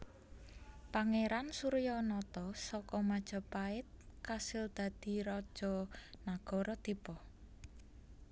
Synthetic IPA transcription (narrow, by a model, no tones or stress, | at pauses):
paŋeɾansuɾjɔnɔt̪ɔsɔkɔmad̥ʒ̥ɔ̤paɪt̪̚kasɪld̪̥ä̤d̪̥i̤ɾɔd̥ʒ̥ɔ̤naɡ̥ɔ̤ɾɔd̪̥ipɔ